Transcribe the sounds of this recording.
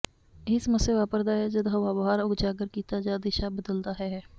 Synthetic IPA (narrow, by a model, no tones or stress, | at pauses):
ɪsməseʋaːpəɾd̪aɦɛd͡ʒəd̪ɦəʋaːbɦaːɾʊɡd͡ʒaːɡəɾkiːt̪ad͡ʒaːd̪ɪʃabəd̪əld̪aːɦɛɦɛː